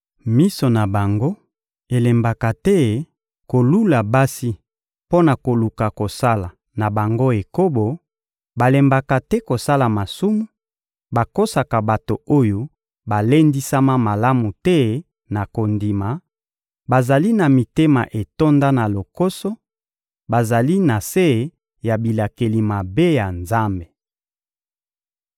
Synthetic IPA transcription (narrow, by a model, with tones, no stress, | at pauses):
mi˦so˨na˨ba˨ŋɡo˦ | e˨le˨mba˨ka˨tɛ˦ | ko˨lu˦la˨ba˦si˦ | po˦na˨ko˨lu˨ka˨ko˨sa˦la˨ | na˨ba˨ŋɡo˦e˨ko˦bo˨ | ba˨le˨mba˨ka˨tɛ˦ko˨sa˦la˨ma˨su˦mu˦ | ba˨ko˦sa˨ka˨ba˨to˨o˦jo˦ | ba˨le˦ndi˦sa˦ma˦ma˨la˦mu˨tɛ˦ | na˨ko˨ndi˨ma˨ | ba˨za˨li˦na˨mi˨te˦ma̰˨ʔe˨to˦nda˦na˨lo˨ko˦so˦ | ba˨za˨li˦na˨se˦˨ | ja˨bi˨la˨ke˨li˨ma˨be˦ja˨nza˦mbe˨